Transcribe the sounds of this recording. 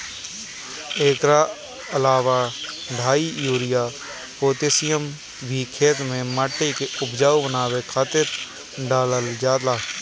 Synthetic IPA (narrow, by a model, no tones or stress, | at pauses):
eːkɾa | əlaːʋa | ɖʱaːijuːɾɪjaː | poːt̪esɪjəm | bʱiːkʰeːt̪mẽməʈːekeʊbd͡ʒaːobənaːʋekʰaːt̪ɪɾ | ɖaːləld͡ʒaːlaː